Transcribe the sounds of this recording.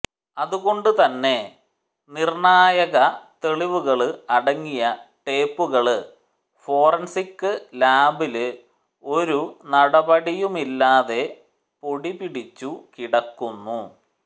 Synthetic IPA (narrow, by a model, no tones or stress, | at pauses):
ɐðuɣo̞ɳɖut̪ɐnːe̞ | nirɳaːjɐɣɐt̪e̞ɭiʋuɣɐɭɨɐɽɐŋːijɐʈe̞ːpːuɣɐɭɨ | fo̞ːrɐnsikːɨlaːbilɨ | o̞ɾunɐɽɐbɐɽijumilːaːðe̞ | poɽibiɽit͡ɕːukiɽɐkːunːu